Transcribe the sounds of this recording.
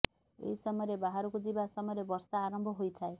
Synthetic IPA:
ḛɦisɔmɔjɔɾebaɦaɾɔkud͡ʒibasɔmɔjɔɾebɔɾsaːɾɔmbʱɔɦojt̪ʰae

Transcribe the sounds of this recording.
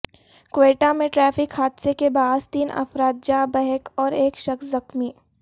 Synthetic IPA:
kʋeːʈamẽʈɾɛːfɪkhaːd̪sekebaːd̪t̪iːnɐ̰fɾaːt̪̚d͡ʒaːbɛɦɛkɔːɾeːkʃɐkszɐxmiː

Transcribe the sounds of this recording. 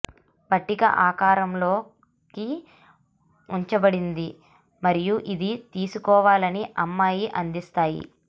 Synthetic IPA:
bɐʈːikɐ̰ʔaːkaːɾɐmloː | ki | uɲt͡ʃɐbɐɽind̪i | mɐɾijuʔid̪it̪iːsukɔːʋaːlɐniʔɐmːaːjiʔɐnd̪ist̪aːjḭ

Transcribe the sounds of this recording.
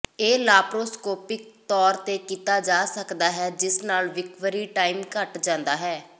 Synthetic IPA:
eːlaːpɾoːskoːpɪk̚t̪ɔːɾt̪eːkiːt̪aːd͡ʒaːsəkd̪aːɦɛːd͡ʒɪsnaːlʋɪkʋəɾiːʈaːiːmkəʈd͡ʒãːnd̪aːɦɛː

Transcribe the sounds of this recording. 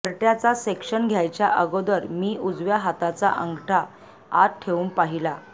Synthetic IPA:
əɾʈjat͡sasekʂənɡʱjajt͡ɕjaʔəɡod̪əɾmiːud͡zʋjaɦat̪at͡sa̰ʔəŋɡʈʰa | a̰t̪̚ʈʰeʋuːnpaɦila

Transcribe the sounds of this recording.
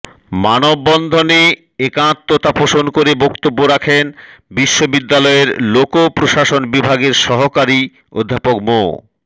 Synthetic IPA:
manobːɔnd̪ʱone | ekãt̪ːot̪apoʃonkoɾebɔkt̪obːoɾakʰenbiʃːobid̪ːalɔeɾlokopɾoʃaʃonbibʱaɡeɾʃɔɦokaɾi | o̰d̪ʱːapokmo̰

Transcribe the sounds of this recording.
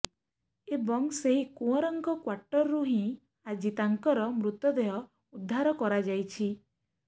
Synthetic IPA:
ebɔŋseɦikũɔɾɔŋkɔkwaɾʈɔɾːuɦĩ | ad͡ʒit̪aŋkɔɾɔmɾut̪ɔd̪eɦɔ | ud̪ʱːaɾɔkɔɾad͡ʒajt͡ʃʰi

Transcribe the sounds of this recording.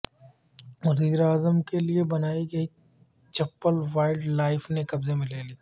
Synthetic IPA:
wɐziːɾaːzəmkeliebɐnaːiɡɐi | t͡ʃɐpːəlʋaːɪlɖlaːɪfnekɐbzemẽleːliː

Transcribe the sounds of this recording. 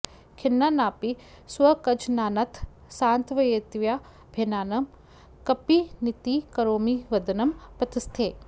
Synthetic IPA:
kʰɪnːanaːpi | swɐkɐd͡ʒnaːnɐt̪ʰ | saːnt̪ʋɐjeːt̪ʋjaː | bʱeːnaːnɐm | kɐpinit̪ikɐɾoːmiʋɐd̪ɐnɐmpɐt̪ɪst̪ʰeː

